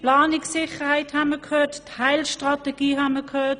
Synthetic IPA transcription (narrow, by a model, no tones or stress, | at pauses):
plɑːnɪksɪχəhaɪthaməkʰhøːtthaɪlʃtʁɑtɛɡ̥iːɦanməkʰhøːt